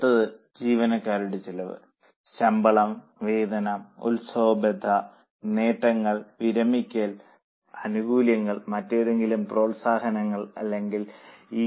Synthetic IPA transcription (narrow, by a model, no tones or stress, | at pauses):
t̪ːɐðɨd͡ʑiːʋɐnɐkːaːɾuɽet͡ɕilɐʋɨ̰ | ɕɐmbɐɭɐmʋe̞ːd̪ɐnɐmṵlsoːbɐd̪ʱːɐ | ne̞ːʈːɐŋːɐɭʋiɾɐmikʲːɐl | ɐnuɡuːljɐŋːɐɭmɐtːoɾe̞ŋɡilumpro̞ːɭsaːhɐnɐŋːɐɭɐ̰lːe̞ŋɡiliː